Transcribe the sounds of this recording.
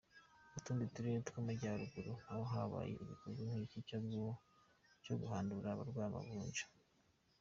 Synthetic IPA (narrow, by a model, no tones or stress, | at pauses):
utuːndituɾietu̥komeɟaɾuɡuɾoawoɦaβa̰ːjḛʔiβikʰozinhiicit͡ʃabjiwo | vjo̞ɡuhaːnduɾaβaɾɡwaːma̰βuːɲɟḁ